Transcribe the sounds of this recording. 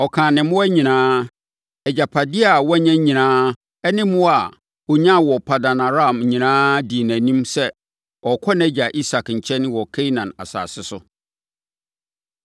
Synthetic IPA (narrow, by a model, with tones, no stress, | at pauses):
ɔ˨kʰãː˨nɪ̃˨m̃˦æ˦ɲĩ˨nãː˦ | ɛ˨d͡ʑa˨pʰa˨dɪ˦a˨wɔ˦ɲã˦ɲĩ˨nãː˦ | ɛ˦nɪ̃˦mʊ̃˦a˨ | o˨ɲã˦˨wɔ˨pʰa˨da˨nã˨ɾa˦˨m˨ɲĩ˨nãː˦di˨næ̃˨nĩ˦msɛ˦ | ɔ˨kʰɔ˦nɛ̃˦d͡ʑa˨ʔi˦sa˨kɲ̩˨t͡ɕʰɛ˦nɪ̃˦wɔ˨kʰɛ˦i˦nã˨na̰˨sa̰ː˨sɪ˦sʊ˦